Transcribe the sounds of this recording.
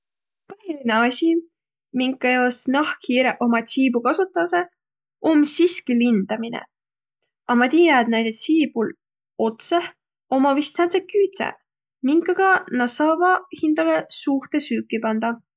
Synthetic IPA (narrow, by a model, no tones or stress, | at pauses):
pɤhilineɑsʲi | miŋkˑːɑjoːsnɑhkʰiːɾeʔo̞mɑt̪sʲiːbukɑsut̪ːˑɑse | ʔomsiskilind̪̥ɑminḛ | ɑmɑt̪iːjɑet̪nejd̪et̪siːb̥ul | o̞t̪se | o̞mɑvist̪sɑnsekyːt̪sḛ | miŋkːˑɑɡ̥ɑnɑsɑvɑhind̪̥ɑlesuht̪esyːkːˑipɑnd̪̥ɑ